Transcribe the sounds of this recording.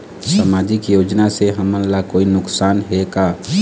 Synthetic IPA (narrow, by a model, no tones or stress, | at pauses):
samaːd͡ʒɪkjoːd͡ʒnaseɦɐmənlakoːinʊksaːnɦekaː